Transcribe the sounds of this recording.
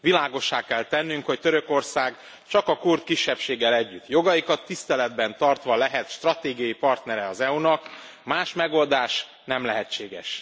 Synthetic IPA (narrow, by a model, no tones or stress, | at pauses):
ʋilaːɡo̞ʃːaːkɛlt̪ɛnːyŋkho̞ct̪øɾø̞ko̞rsaːɡ | t͡ʃɒkɒkurt̪kiʃːɛpʃeːɡːɛlɛɟːyt̪ːjo̞ɡɒjikɒt̪ːist̪ɛlɛd̪bɛnt̪ɒrt̪ʋɒlɛɦɛt̪ʃt̪rɒt̪eːɡijɒjipɒrt̪nɛɾɛɒzɛunɒk | maːʃmɛɡo̞ld̪aːʃ | nɛmlɛɦɛt͡ʃːeːɡɛʃ